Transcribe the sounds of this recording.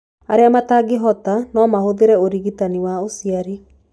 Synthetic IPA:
aɾeamataɡeɦɔtanɔmahoðeɾɛoɾiɣitaniwaosiaɾi

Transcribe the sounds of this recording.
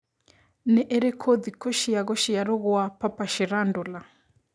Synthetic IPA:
nɛʔɛɾɛkʰɔðikɔʃijaɣɔʃijaɾɔɣɔapapaʃiɾandɔla

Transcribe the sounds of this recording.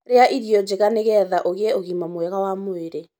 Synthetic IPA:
ɾeaʔiɾijɔd͡ʒeɣaneɣɛːðaʔoɣeɛoɣiːmamwɛɣawamoeɾe

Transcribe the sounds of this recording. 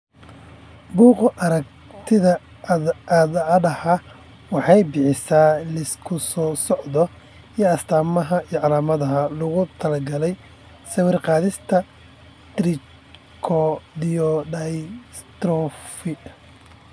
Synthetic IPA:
buːqʔɐɾɐk | t̪ʰɪðɐ | ɐðadɐha | wɑħɑjbɪħɪsaːlɐɪskʰʊsɔːsɔʕd̪ɔ | iːɐst̪ʰaːmɐɦɐijʕɑlaːmɐðɐɦɐlʊɣʊt̪ʰɐlɐɡɐlɛj | sɐwɪrqɑːðɪst̪ʰɐ | t̪ɾɪ | kʰɔd̪ɪjɔɖɐjst̪rɔːfɪ

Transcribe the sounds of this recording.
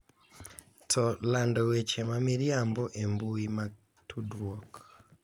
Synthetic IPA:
tʰɔlandɔwɛt͡ʃɛmamiɾjambɔʔembuima | tʰudɾwɔk

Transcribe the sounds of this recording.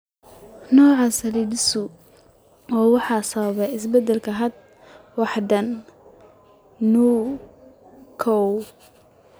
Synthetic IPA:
nɔːʕɑsɐliːd̪ɪsʊ | ɔːwɑħɑːsɐβɐβɛɪsbɛd̪ɛlkʰɐɦɐd̪̚ | wɑħd̪ɐn | uː | kʰɔw

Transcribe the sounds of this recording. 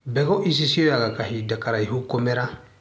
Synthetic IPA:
bɛɡɔʔis̬isiojakakaɦidakaɾaiɦukɔmɛɾa

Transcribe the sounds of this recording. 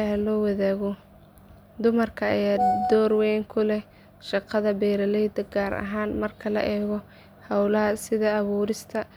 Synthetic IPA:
ɦɐlɔːwɐðaːɣɔ | d̪ʊmɐrkʰɐɐjaːd̪ɔːrwɛːjŋkʰʊlɛ | ʃɑqɑðɐbɛːɾɐlɛjd̪ɐɡaːɾɐ̰ɦaːnmɐrkʰɐlɐ̰ʔɛːɣɔ | hɑwlɐɦɐsɪðɐːβuːɾɪst̪ʰɐ

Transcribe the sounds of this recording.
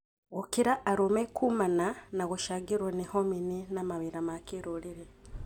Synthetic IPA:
ɣokiɾaʔːɾomekumananaɣuʃaɡiɾwonihomininamaβiɾamakiɾuliɾe

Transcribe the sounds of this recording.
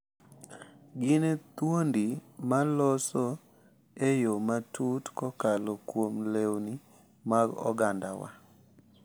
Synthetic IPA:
ɡɪnet̪wondimalɔsɔ | ejomatutkɔkalokwomlewni | maɡɔ̰ɡanda̰wa̰

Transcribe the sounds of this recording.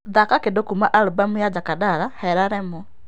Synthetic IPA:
ðakakedokumaʔalubamujad͡ʒakadaɾahɛɾaɾɛmɔ

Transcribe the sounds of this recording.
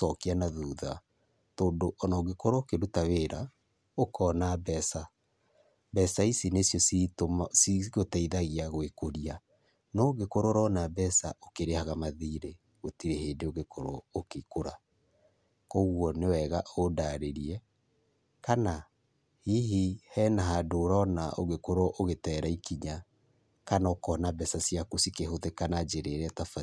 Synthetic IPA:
sɔkianaðuːða | toːndoʔɔnɔɡekoɾookeɾutaweːɾa | okɔnabɛsa | bɛsaisinesjɔsitomsiɣotaiðaɣeaɣwekoɾia | nɔɣekoɾoɾɔnabɛsaʔokeɾehaɣamaðiːɾe | ɣotiɾeɦeːdeoɣekoɾookekoɾa | koɣwɔnewɛɣaʔodaɾeɾiɛ | kana | hiɦihɛnaɦadoːɾɔnao̰ɣekoɾɔʔoɣetɛːɾaikiɲa | kanaokɔnabɛsasjakosikeɦoðekanad͡ʒeɾeɾɛtafa

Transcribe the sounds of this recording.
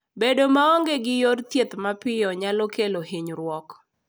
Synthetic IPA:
bedomaoŋɡeɡɪjort̪jet̪mapɪjɔɲalɔkelohiɲɾwɔk

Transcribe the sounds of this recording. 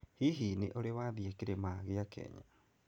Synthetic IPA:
hiɦinḛʔoɾewaðiekeɾemaɣeakɛ̰ɲa

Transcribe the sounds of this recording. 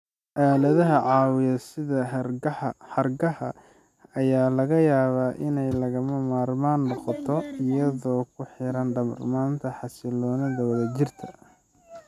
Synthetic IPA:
ʔaːlɐðɐɦɐʕɑːwɪjɐsɪðɐ | ħɐrɡɐhɐ | ɐjaːlɐɣɐjaːβaːʔɪnɛjlɐɣɐmɐmaːrmaːnːɔqɔt̪ʰɔɪjɐðɔːkʰʊħɪɾɐnɖɐmɐ̰rmaːnt̪ʰɐħɑsɪlɔːnɐðɐwɐðɐt͡ʃɪrt̪ʰɐ

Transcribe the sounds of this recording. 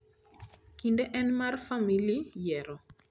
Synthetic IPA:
kindɛʔɛnmarfamilijɛɾɔ

